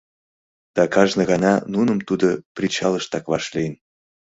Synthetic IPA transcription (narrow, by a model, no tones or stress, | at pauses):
d̪̥ɑkɑʒnə̆ɣɑnɑnunəmt̪ud̪oprʲit͡ɕɑləʃt̪ɑkvɑʃlejn